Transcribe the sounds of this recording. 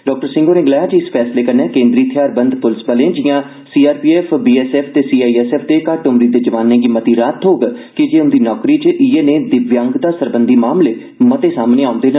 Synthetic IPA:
ɖɔːk̚ʈəɾsɪ̃ŋɡoːnẽːɡlɛːaːd͡ʒiɪspʰɛːsleːkəɾnɛ̃ːkẽːnd̪ɾiːt̪ʰɪjaːɾbənd̪pʊlɪsbəlẽːd͡ʒɪjãː | siːaːɾpiːɛːpʰbiːɛːsɛːpʰt̪eːsiːaːiɛːsɛːpʰd̪eːkaɾʈʊmɾiːd̪eːd͡ʒəʋaːnːẽːɡiːmət̪iːɾaːt̪ɦoːɡkɪd͡ʒeːʊnd̪iːnɔːkɾiːt͡ʃəʔieːneːd̪ɪʋjaŋɡd̪aːsəɾbənd̪iːmaːmleː | mət̪eːsaːmneːaːʊnd̪eːnə

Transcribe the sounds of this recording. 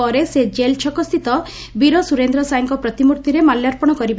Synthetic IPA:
ɔɾesed͡ʒelt͡ʃʰɔkɔst̪ʰit̪ɔ | biɾɔsuɾend̪ɾɔsajɔŋkɔpɾɔt̪imuɾt̪iɾemaljaɾpɔɽ̃ɔkɔɾiba

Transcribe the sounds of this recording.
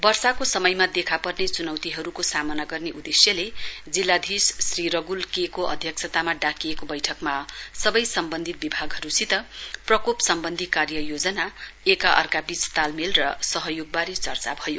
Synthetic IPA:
bʌrsakosʌmʌjmad̪ekʰapʌrnet͡sunʌwt̪iɦʌɾukosamʌnaɡʌrneʔud̪esjʌle | d͡zilːad̪ʱisːriɾʌɡulkekoʔʌ̰d̪ʱjʌksʰʌt̪amaɖakiekobʌjʈʰʌkmasʌbʌjsʌmbʌnd̪ʱit̪̚bibʱaɡɦʌɾusit̪ʌprʌkopsʌmbʌnd̪ʱikarjʌjod͡zʌnaekaʔʌ̰rɡabit͡st̪almelrʌsʌɦʌjoɡ̚baɾet͡sʌrt͡sa̰bʱʌjo

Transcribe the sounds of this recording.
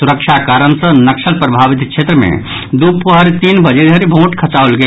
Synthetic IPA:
suɾəkʃʰakaːɾənsə̃nəkʃəlpɾəbʱaʋit̪ʃʰet̪ɾəmḛ̃ | d̪upːoɦəɾt̪iːnbəd͡ʒed̪ʱəɾibʱõːʈkʰət͡ʃaolɡe

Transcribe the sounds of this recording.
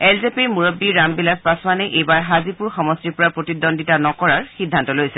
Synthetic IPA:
elzepimuɹɔbːiɹambilaspasɔmanɛʔejbaɹɦazipuɹxɔmɔstiɹpɔɹapɹotidɔndʱitanɔkɔɹaɹxidʱːantɔlojsɛ

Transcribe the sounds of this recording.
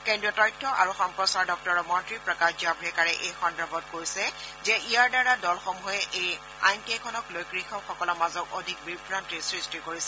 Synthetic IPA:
kendɹiɔtɔjtʰːɔʔa̰ɹuxɔmpɹɔsaɹdɔk̚tɔɹɔmɔntɹipɹɔkad͡ʒiabʱɹɛkaɹɛʔejxɔndɹɔbɔtkoɹjsɛzɛijaɹdaɹadɔlxomuɛʔej | a̰jntiɛkʰɔnɔklojkɹixʰɔxɔkɔlɔɹmazɔkodʱik̚bibʱɹantɹisɹistikoɹisɛ

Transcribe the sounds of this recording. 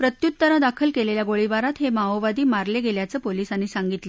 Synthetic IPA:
pɾət̪jut̪ːəɾad̪akʰəlkeleljaɡoɭiʋaɾat̪ɦemaoʋad̪iːmaɾleɡeljat͡səːpolisanːisaŋɡit̪lə

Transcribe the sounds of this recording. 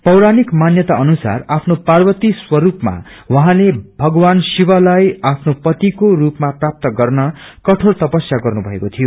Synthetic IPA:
pʌwɾanikmanjʌt̪aʌnusa̰rapʰnoparbʌt̪iswʌɾupma̰ | wʌɦãlebʱʌɡʌwansibʌlajapʰnopʌt̪ikorupmaprap̚t̪ʌɡʌrnʌkʌʈʰort̪ʌpʌsjaɡʌrnubʱʌekot̪ʰijo

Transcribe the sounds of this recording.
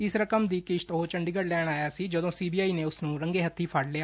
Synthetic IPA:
ɪsɾəkəmd̪iːkɪʃt̪oːt͡ʃəɳɖɪɡəɽlɛːɽ̃aːjaːsiːd͡ʒəd̪õːsiːbiːaːiːneːʊsnũːɾəŋɡeːɦət̪ʰːiːpʰəɽleaː

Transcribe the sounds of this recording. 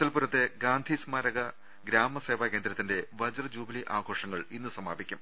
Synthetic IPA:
ɐlpuɾɐt̪ːe̞ɡaːnd̪ʱismaːɾɐɣɐ | ɡɾaːmɐse̞ːʋaːke̞ːnd̪ɾɐt̪ːinde̞ʋɐd͡ʑɐrd͡ʑuːbɐliʔaːɡʱo̞ːʂɐŋːɐɭinːɨsɐmaːbikʲːum

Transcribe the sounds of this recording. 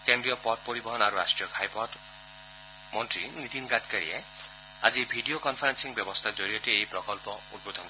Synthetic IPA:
kembɾijɔpɔʈ̚poɾibɔɦɔnaɾuɾasʈɾijɔkʰajpɔʈ | mɔntɾinit̪inkat̪kaɾḭe | a̰d͡ʒibʱiɖiokɔnpʰaɾensiŋbjɔbɔst̪ʰad͡ʒoɾiɔtiejpɾɔkɔlpɔud̪̚bod̪ʱɔn

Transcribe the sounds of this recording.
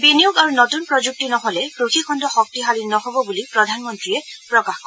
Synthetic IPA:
biniuɡaɹunɔtunpɹɔd͡ʒuk̚tinɔɦɔlɛkɹuxʰikʰɔndɔxɔk̚tiɦalinɔhobɔbulipɹɔdʱanmɔntɹijɛpɹɔkaxkɔ

